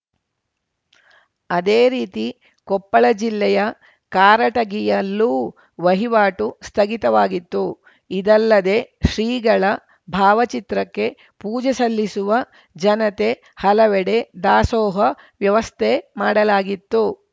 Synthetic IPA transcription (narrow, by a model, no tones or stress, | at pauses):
ɐd̪eːɾiːt̪i | kɔpːɐɭɐd͡ʒilːɛjɐ | kaːɾɐʈɐɡijɐlːuː | ʋɐɦiʋaːʈust̪ʰɐɡit̪ɐʋaːɡit̪ːu | id̪ɐlːɐd̪e̞ːʃɾiːɡɐɭɐ | bʱaːʋɐt͡ʃit̪ɾɐkːe̞ | puːd͡ʒɛsɐlːisuʋɐ | d͡ʒɐnɐt̪e̞ | hɐlɐʋɛɽe̞d̪aːsɔːɦɐ | ʋjɐʋɐst̪ʰemaːɽɐlaːɡit̪ːu